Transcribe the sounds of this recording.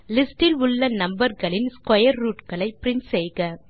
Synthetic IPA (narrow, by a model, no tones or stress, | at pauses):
lɪsʈɪlʊɭːɐnɐmbɐɾɣɐɭɪnskɔjɐɾːuːʈkɐɭɐɪpɪɾɪnsɛjɣɐ